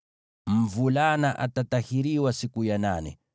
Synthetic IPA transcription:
m̩vulanaʔatatahiɾiwasikujananɛ̰

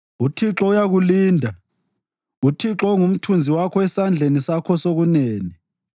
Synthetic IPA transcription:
utʰiǁɔujaɣuliːndʱa | utʰiǁɔŋum̩tʰund͡zʱiwakʰɔɛsand͡ɮʱenisakʰɔsoɣuneːni

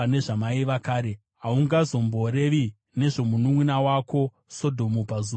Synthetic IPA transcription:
ane̞ʐamaiʋakaːɾe̞ | ɦauŋɡazo̞mbo̞ɾe̞ʋi | ne̞ʐo̞munumwinawako̞ | so̞dʱo̞mupazua

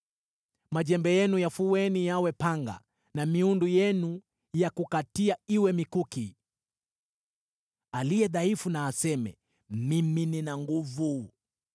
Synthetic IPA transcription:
maʄɛmbɛjɛnujafuwɛnijawɛpaŋɡa̰ | namiundujɛnu | jakukatiaiwɛmikuki | alijɛðaifunaːsɛmɛ̰ | mimininaŋɡuvu

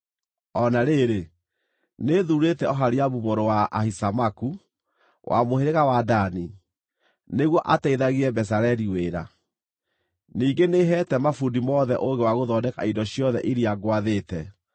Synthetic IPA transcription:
ɔnaɾeɾe | neðuɾetɛɔɦaɾiaβuβoɾowaʔahisamaku | wʔa̰moheɾeɣawadani | neɣwɔʔataiðaɣiɾɛbɛs̬aɾɛɾiweːɾa̰ | niːŋɡeneɦɛtɛmafundimɔðɛʔoŋɡewaɣoðɔdɛka̰indɔɕiɔðɛʔiɾiaɡwaðetɛ

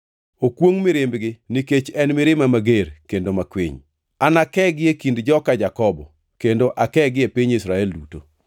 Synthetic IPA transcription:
okwoŋmɪɾɪmbɡɪniket͡ʃɛnmɪɾɪmamaɡeɾkendomakwḭɲ | anakɛɡɪekindd͡ʒɔkad͡ʒakɔbɔ | kendoʔakɛɡɪepiɲisɾaɛlduto̰

